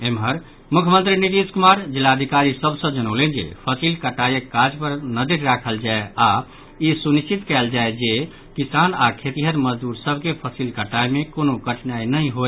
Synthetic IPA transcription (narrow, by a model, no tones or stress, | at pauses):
emɦəɾ | mukʰjəmənt̪ɾiniʈiskumaɾd͡ʒilːaəd̪ʱikaɾisəbsə̃d͡ʒənəʊlend͡ʒḛpʰəsilkəʈːajəkːad͡ʒpəɾnəd̪iʈɾakʰəld͡ʒaea | isunist͡ʃit̪kɛld͡ʒaed͡ʒe | kisanakʰet̪iɦət̪məd͡ʒd̪uɾsəbʱkepʰəsilkəʈajmekonokəʈʰnainəĩɦo